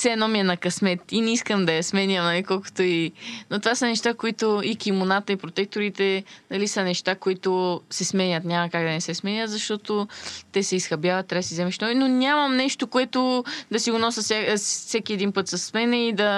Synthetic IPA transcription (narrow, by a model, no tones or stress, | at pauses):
sɛɛnɔmiɛnɐkɐsmɛt̪inɛiskəmd̪ɐjɐsmɛnʲəmnɐlikɔlˠkʊ̥t̪oinot̪ovasɐnɛʃt̪akoit̪oikimonat̪əipɾot̪ɛk̚t̪oɾit̪ɛnɐlisɐnɛʃt̪akoit̪ʊsɛsmɛnʲət̪nʲamɐkaɡd̪ɐnɛsɛsmɛnʲət̪zɐʃt̪ɔt̪ot̪ɛsɛisxɐbʲjavɐt̪ːɾasizɛmɛʃnɔvinonʲamɐmnɛʃt̪okoɛt̪ʊd̪ɐsiɡʊnɔsəssɛkʲiɛd̪inpɤt̪sɐsːmɛnɛid̪ɐ